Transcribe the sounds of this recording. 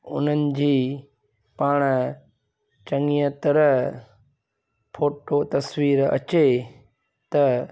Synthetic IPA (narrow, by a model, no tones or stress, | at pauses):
ʊ̰n̤ənɪ̆d͡ʑiː | paːɽ̃ | t͡ɕɐŋijət̪ɾəɦ | pʰoːʈot̪ɐswiːɾɐ̰t͡ɕe | t̪ɐ